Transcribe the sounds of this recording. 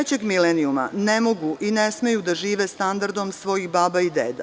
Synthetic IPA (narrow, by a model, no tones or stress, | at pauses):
et͡ɕeɡmileniuma̰nemo̞ɡuʔinesme̞jud̪aʒiːʋe̞st̪and̪aɾd̪o̞msʋo̞jixbaːbaid̪ḛːd̪a̰